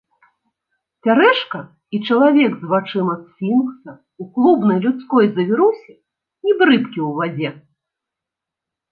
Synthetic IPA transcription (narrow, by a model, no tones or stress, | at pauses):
t͡sʲaɾɛʂkɐ | it͡ʂɐlˠavʲɛɡzvat͡ʂɨmɐssʲinksɐ | uklˠubnɐjlʲut̪skɔjzɐvʲiɾusʲɛ | nʲib̪ɾɨpkʲiwvad͡zʲɛ